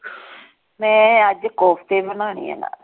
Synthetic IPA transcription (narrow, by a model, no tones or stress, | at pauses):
mɛ̃ːəd͡ʒkɔːpʰt̪eːbənaːɳḭːa̰ːna̰ː